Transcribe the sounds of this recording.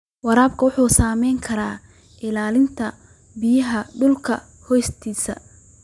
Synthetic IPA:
wɑɾaːbkʰɐwʊħuːsaːmɛjŋkʰɐɾaː | ʔɪlaːlɪnt̪ʰɐ | bɪjɐɦɐɖʊlkʰɐ | hɔjst̪ʰiːsɐ̰

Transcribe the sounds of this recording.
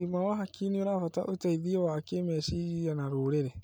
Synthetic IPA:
imawaɦakinioɾafata̰ʔotaiðiowakeːmɛːʃiijanaɾoːɾeɾɛ

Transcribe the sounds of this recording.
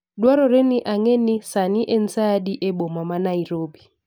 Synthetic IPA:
dwaɾɔɾeniʔaŋɛnisaniʔen̩sadiʔɛbomamanaiɾoːbi

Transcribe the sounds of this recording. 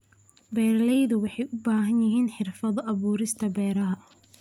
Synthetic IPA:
bɛːɾlɛjðʊwɑħɑjʔʊbaːɦɐnjɪɦiːnħɪrfɐðɔʔɐβuːɾɪst̪ʰɐbɛːɾɐɦɐ

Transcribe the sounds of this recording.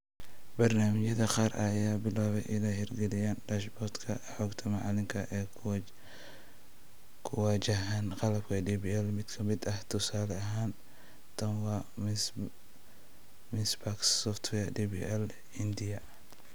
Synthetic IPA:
bɐrnaːmɪt͡ʃjɐðɐqɑːrʔɐ̰jaːbɪlaːβɛjʔɪlɛhɛrɡɛlɪjaːndɐʃbɔrt̪kʰɐ̰ħɔːɡt̪ʰɐmɑʕɑlɪŋkʰɐʔɛː | kʰʊwɑːt͡ʃɐɦaːnqɑlɐb̚kʰɐdibiɛlmɪd̪kʰɐmɪd̪ɐht̪ʰʊsaːlɛɐɦaːn | t̪ʰɐnwɑː | mɪnsbaksɔft̪ʰwɛdiːbḭɛl | ɪnd̪ɪjɐ

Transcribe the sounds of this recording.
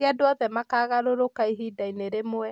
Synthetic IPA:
adwɔðɛmakaːɣaɾoɾokaiɦiːdaineɾemoɛ

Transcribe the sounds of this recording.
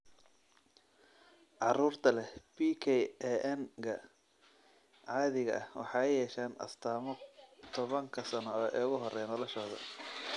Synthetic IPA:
ʕɑruːrt̪ʰɐlɛbiːkʰɛjɛʔɛnkʰɐ | ʕɑːðɪɣɐ̰ʔɐhwɑ̰ħɑːjɛːʃaːnɐ̰st̪ʰaːmɔt̪ʰɔβɐŋkʰɐsɐnɔʔɛːɣʊɦɔrɛjnɔlɔʃɔːðɐ̰

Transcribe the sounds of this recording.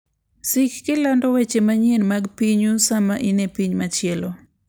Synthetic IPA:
sikkilandowet͡ʃemaɲienmakpiɲusamaʔinepiɲmat͡ʃjelo

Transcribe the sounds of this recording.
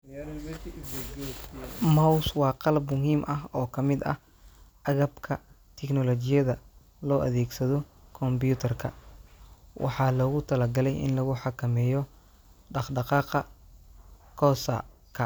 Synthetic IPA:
mɐwswɑːqɑlɐbmʊɦiːmʔɐɦɔːkʰɐmɪd̪ɐ̰h | ʔɐɣɐbkʰɐ | t̪ʰɛknɔlɔt͡ʃɪjɐðɐ | lɔːʔɐ̰ðɛːɡsɐðɔkʰɔmbjuːt̪ʰɐrkʰɐ̰ | wʔɑ̰ħɑlɔːɣʊt̪ʰɐlɐɡɐlɛjʔɪ̰nlɐɣʊħɑkʰɐmɛːjɔ | ɖɑqɖɑqɑːqɑ | kʰɔːsɐ̰ | kʰɐ

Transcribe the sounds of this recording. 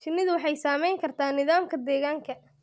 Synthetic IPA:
t͡ʃɪnːɪðʊwɑħɑjsaːmɛjŋkʰɐrt̪ʰaːnɪðaːmkʰɐd̪ɛːɣaːŋkʰɐ

